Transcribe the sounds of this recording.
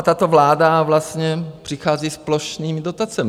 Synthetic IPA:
t̪at̪ovlaːdavlast̪ɲɛpr̥ɪxaːziːsploʃniːmɪdot̪at͡sɛmɪ

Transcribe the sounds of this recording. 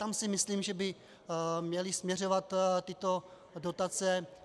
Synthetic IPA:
t̪amsɪmɪsliːmʒɛbɪ | mɲɛlɪsmɲɛr̝ovat̪t̪ːɪt̪o | dot̪at͡sɛ

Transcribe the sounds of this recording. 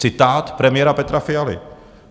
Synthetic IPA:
t͡sɪt̪aːt̪pɾɛmɪjɛɾapɛt̪ɾafɪalɪ̰

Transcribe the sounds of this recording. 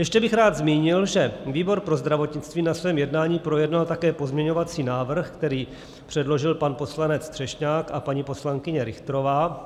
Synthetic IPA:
jɛʃcɛbɪxɾaːd̪zmiːɲɪlʒɛviːbo̞ɾpɾo̞zd̪ɾavo̞t̪ɲɪt͡st̪viːnasvɛːmjɛdnaːɲiːpɾo̞jɛdnalt̪akɛːpo̞zmɲɛɲo̞vat͡siːnaːvr̩xkt̪ɛɾiː | pr̝̥ɛdlo̞ʒɪlpanpo̞slanɛt͡st̪r̥ɛʃɲaːkapaɲipo̞slaŋkɪɲɛɾɪxt̪ɾo̞vaː

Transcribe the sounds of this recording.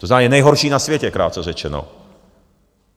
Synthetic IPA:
t̪ɔznamɛɛnajɦɔɾʃiːnasʋjɛcɛkɾa̰ːt̪t͡sɔʒɛt͡ʃɛnɔ̰

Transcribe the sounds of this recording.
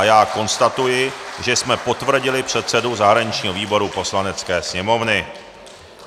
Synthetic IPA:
jaːko̞nst̪at̪ujɪʒɛsmɛpo̞t̪vr̩ɟɪlɪpr̝̥ɛt̪sɛduzaɦɾaɲɪt͡ʃɲiːɦoviːbo̞ɾupo̞slanɛt͡skɛːsɲɛmo̞vnɪ

